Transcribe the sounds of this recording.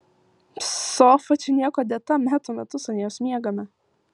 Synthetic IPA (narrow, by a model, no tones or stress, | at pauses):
soːfɐt͡ʃʲɪnʲiɛkɔd̪ʲɛt̪ɐmʲæt̪ʊmʲɛt̪ʊsɐnʲiɛsʲmʲiɛɡɐmʲɛ